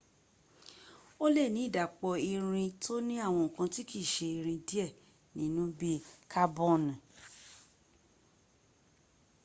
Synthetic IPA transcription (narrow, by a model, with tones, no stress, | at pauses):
o˦le˦˨nĩ˨˦i˦˨da˨k͡pɔ˧i˧ɾ̃ĩ˧to˦nĩ˦a˦˨w̃ɔ̃˧ŋ̩˨kã˧ti˦ki˦˨ʃe˧i˧ɾ̃ĩ˧di˦ɛ˦˨ | nĩ˨˦nũ˦bi˦kʰa˦bɔ˦˨ñ˨